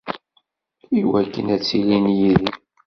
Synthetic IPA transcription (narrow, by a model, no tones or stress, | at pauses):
iwækːə̰næt͡sːilinjiði